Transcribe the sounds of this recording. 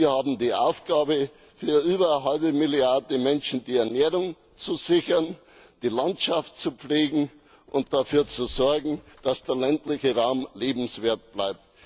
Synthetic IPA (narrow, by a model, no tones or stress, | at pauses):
viːɐhaːbm̩diːʔa̰ʊfɡ̥aːbə | fyːɐʔyːbɐɦalbəmɪljaɐdəmɛnʃn̩diːɛɐnɛːʁʊŋ | t͡suzɪçɐn | d̥iːlantʃaftt͡sup͡fleːɡŋ̩ | ʔʊntd̥afyːɐt͡suzɔɐɡŋ̩d̥asd̥eːɐlɛntlɪçəʁaʊmleːbm̩sv̥eːɐt̚b̥laɪp̚t